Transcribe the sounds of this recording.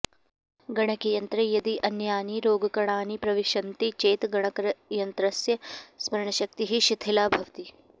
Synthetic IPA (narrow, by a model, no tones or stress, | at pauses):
ɡɐɽ̃ɐkijɐnt̪ɾɐjɐd̪iʔɐnjaːniɾoːɡɐkɐɽ̃aːnipɾɐʋiʃɐnt̪it͡ʃeːt̪ɡɐɳ̃ɐkɾɐjɐnt̪ɾɐsjɐsmɐɾɳɐʃɐk̚t̪iɦiʃit̪ʰilaːbʱɐʋt̪i